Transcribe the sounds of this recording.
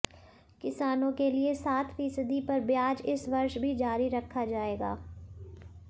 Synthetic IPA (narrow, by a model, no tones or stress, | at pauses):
kɪsaːnõkeliesaːt̪fiːsəd̪ipɐɾbjaːd͡ʒɪsʋɐɾʃbʱid͡ʒaːɾiɾɐkʰːad͡ʒaːeːɡa̰ː